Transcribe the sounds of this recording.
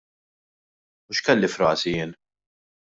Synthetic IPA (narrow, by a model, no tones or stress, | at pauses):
ʊʃkɛlːifɾɐ̰ːsijɪːn